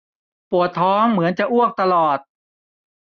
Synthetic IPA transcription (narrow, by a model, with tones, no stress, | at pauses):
pu˨˩ət̪ʰːɔː˦˥ŋmɯ˩˦ənt͡ɕa˨˩ʔu˥˩ək̚t̪a˧lɔː˨˩t̪̚